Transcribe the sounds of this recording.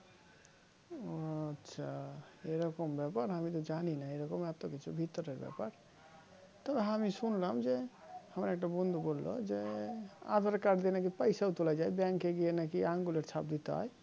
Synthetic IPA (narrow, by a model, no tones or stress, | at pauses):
tːʃʰaeɾəkəmbɛpəɾɦəmit̪ɔd͡ʒaninaeɾəkəmat̪oket͡ʃʰubʱit̪ːəɾəbɛ̰pəɾ | t̪əbɦamisunləɦmd͡ʒehəmɾaek̚ʈabund̪ʱbolːo̰d͡ʒea̰d̪ʱəɾkaɾʈd̪enak̬ipəjsaut̪ulad͡ʒajbjãŋkːeɡienakiãŋɡuleʈt͡ʃʰap̚d̪it̪a̰ɦj